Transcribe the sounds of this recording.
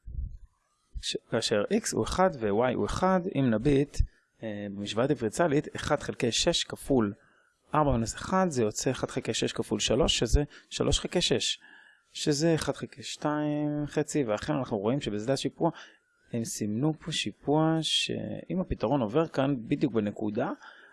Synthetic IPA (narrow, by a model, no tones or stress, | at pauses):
kaːʃeʁʔiksṵeχadvewajʔṵeχadḭmnabit | bemiʃvaatifʁit͡saliteχad̥χelkejʃe̞ʃkaful | ʔaʁbaminuseχadzejo̞t͡seeχad̥χelkejʃeʃkafulʃalo̞ʃːezeʃa̰lo̞ʃχekeʃeʃː | ezeːχad̥̪χelkeʃtaimχet͡siveaχe̞nanaχnuʁo̞imʃebezdatʃipua | emsimnupʰoʃipuaʃḛimapitaʁo̞no̞ve̞ʁkanbid̪juk̚benekuda